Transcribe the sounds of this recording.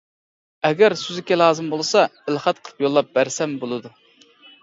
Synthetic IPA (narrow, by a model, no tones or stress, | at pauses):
ɛɡʲæɾsyzɪkʲɛlˠɑːzɨmbolˠɨsɑɪlˠχɑt̪̚qʰəlˠəpjolˠːɑp̚bæɾsɛmbolˠɨd̪u